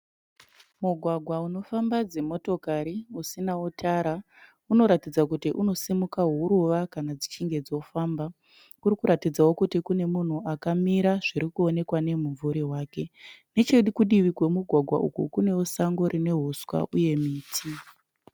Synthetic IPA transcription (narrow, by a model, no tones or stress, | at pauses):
muɡʱwaɡʱwauno̞fambad͡ze̞mo̞to̞kaɾiusinautʰaɾa | uno̞ɾatid͡zakutiʔuno̞simukaɦuɾuʋakanad͡zit͡ʃiŋɡe̞d͡zo̞faːmba | kurikuɾatid͡zawo̞kutikune̞mun̤uʔakamiɾaʐiɾikuo̞ne̞kwane̞muɱvuɾiɦwaːke̞ne̞t͡ʃe̞ɗukuɗiʋikwe̞muɡʱwaɡʱwa̰ʔṵkṵkune̞wusaŋɡo̞ɾine̞ɦuswa̰ʔuje̞miːtʰi